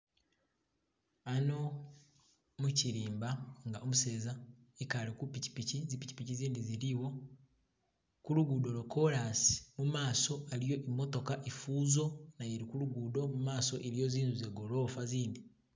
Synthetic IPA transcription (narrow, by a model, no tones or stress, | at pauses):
ano̞ | muciɾiːmbaŋɡaomuse̞ːza | ekaɾikupici̥picizipici̥piciziːndiziɾiwo̞ | kuɾuɡuːdoɾoko̞ɾasi̥mumaːso̞aɾijo̞ʔimo̞to̞kaʔifuːzo̞najeɾikuɾuɡuːdo̞mumaːso̞ʔeɾijo̞ziːnzuzeɡo̞lo̞ːfaziːndi